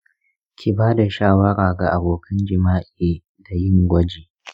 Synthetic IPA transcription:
kʲʰi˨baː˦da˨ʃaː˦wɐ˦ɽaː˨ɡa˨ʔa˨boː˨kʰɐ˦nd͡ʒɪ˨maː˦ʔeː˨ | da˨jɪ˦ŋɡʷɐ˦d͡ʒeː˨

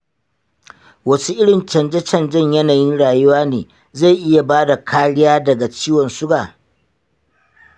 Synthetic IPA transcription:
wɐ˦su˦ʔɪ˦ɽɪ˨nt͡ʃɐ˨nd͡ʒɛ˦t͡ʃɐ˨nd͡ʒɐ˦ɲjɐ˦naː˨jɪ˦nɽaː˨jʊ˦waː˦neː˨ | za˦˨jʔɪ˦ja˨baː˦da˨kʰaː˦ɽɪ˦jaː˦dɐ˨ɡa˨t͡ʃiː˦wɔ˨nsʊ˦ɡaː˨

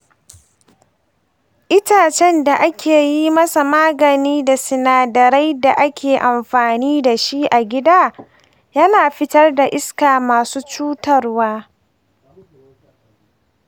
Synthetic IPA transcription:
ʔɪ˦taː˨t͡ʃɛ˦nda˨ʔa˦kʲʰeː˨ji˦mɐ˦sa˨maː˦ɡɐ˨niː˦da˨sɪ˨naː˨dɐ˨ɾa˦jda˨ʔa˦kʲeː˨ʔa˨mɸaː˨niː˦da˨ʃi˦ʔa˨ɡʲɪ˦daː˦ | jɐ˦naː˨ɸɪ˦tɐ˦rda˨ʔɪ˦skaː˨maː˨suː˦t͡ʃuː˦tɐ˦˨rwaː˦

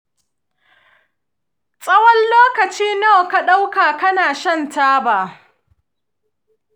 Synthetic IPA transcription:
sʼɐ˦wɐ˦nloː˦kɐ˨t͡ʃiː˦no˦˨ka˦ɗa˦wkaː˨kɐ˦naː˨ʃɐ˦ntaː˦baː˨

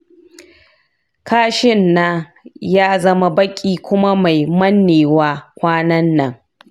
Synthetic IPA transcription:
kʰaː˦ʃɪ˦nːa˦ | jaː˦zɐ˦ma˦bɐ˦kʲʼiː˦kʷʊ˦ma˦ma˨jmɐ˦nːeː˨waː˦kʷaː˦nɐ˦nːɐ˨ŋ

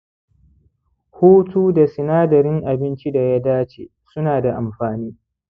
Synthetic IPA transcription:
huː˦tuː˦da˨sɪ˨naː˦dɐ˨ɾɪ˦ŋʔa˨bɪ˦nt͡ʃi˦da˨ja˦daː˦t͡ʃeː˨ | sʊ˦naː˨da˨ʔa˨mɸaː˨niː˦

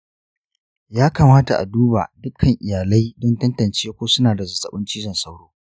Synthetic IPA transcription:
jaː˦kaː˨maː˦ta˨ʔa̰˨duː˦ba̰˨dʊ˦kʰɐ˨ŋʔɪ˨jaː˨la˦jdɔ˦ntɐ˦ntɐ˨nt͡ʃeː˦kʷoː˦sʊ˦naː˨da˨zɐ˨sɐ˨ɓɪ˦nt͡ʃiː˦zɐ˨nsa˦wɽoː˦

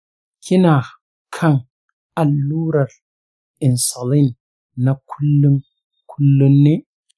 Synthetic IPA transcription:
kʰi˦na˨ | kʰa˦ŋ | a˨lːuː˦ɾa˨l | i˨nsa˨li˦n | na˨kʰu˦lːu˦ŋ | kʰu˦lːu˦nːe˦

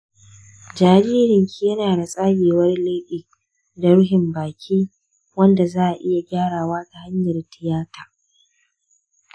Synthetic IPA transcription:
d͡ʒaː˨ɾiː˦ɾɪ˨ŋkʲʰiː˦jɐ˦naː˨ɽa˨sʼaː˦jeː˨wɐ˦rleː˦ɸɪ˨k̚ | dɐ˦ɽɦɪ˨mbaː˨kʲʰiː˦ | wɐ˦nda˨zaː˦ʔa˨ʔɪ˦ja˨ɡʲaː˦ɽaː˨waː˦ta˨ha˦ɲjɐ˨rtɪ˨jaː˦tʰaː˨

